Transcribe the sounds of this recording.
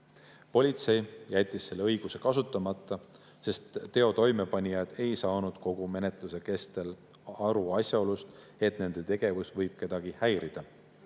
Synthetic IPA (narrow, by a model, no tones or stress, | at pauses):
po̞lʲit̪se̞jjæt̪ʲːisːe̞lːeɤjɡ̥use̞kɑsut̪ːˑɑmɑt̪ˑːɑ | se̞st̪ːe̞o̞t̪o̞jme̞pɑnʲijɑd̪̥e̞jsɑːnud̪̥ko̞ɡ̥ume̞ne̞t̪ˑluse̞ke̞st̪e̞l | ɑɾuɑsʲjɑo̞lust̪ | e̞t̪ne̞nd̪̥e̞t̪e̞ɡ̥e̞vusvɤjb̥̚ke̞d̪̥ɑɡ̥ihæjɾid̪̥ɑ